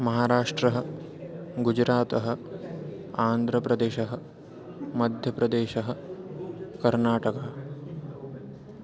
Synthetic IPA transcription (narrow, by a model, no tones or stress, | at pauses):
mɐɦaːɾaːʂʈɾɐɦɐ̆ | ɡud͡ʒɾaːt̪ɐɦɐ̆ | aːnd̪ʱɾɐpɾɐd̪eːʃɐɦɐ | mɐd̪ʱjɐpɾɐd̪eːʃɐɦɐ̆ | kɐɾnaːʈɐkaː